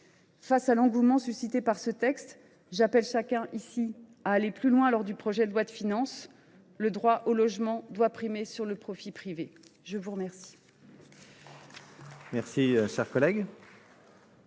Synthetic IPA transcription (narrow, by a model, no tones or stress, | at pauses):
fasalɑ̃ɡumɑ̃sysit̪epaʁsət̪ɛkst̪ | ʒapɛlʃakʲɛ̃ʔisi | aːleplylwɛ̃lɔʁd̪ypχɔʒɛd̪lwat̪finɑ̃s | ləd̪ʁwaʔolɔʒmɑ̃d̪wapχimesyʁləpχɔfipχiveʒəvuʁmɛʁsi̥ | mɛʁsiʃɛʁkɔlɛɡ